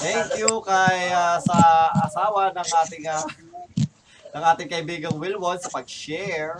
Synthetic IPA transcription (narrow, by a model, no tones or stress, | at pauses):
t̪ɛŋkjukɐjasɐʔɐsaːwɐnɐŋʔaːt̪ɪŋɐ | nɐŋʔaːt̪ɪŋkɐʔɪbiːɡɐŋwɪlwonsɐpɐɡ̚ʃɛɹ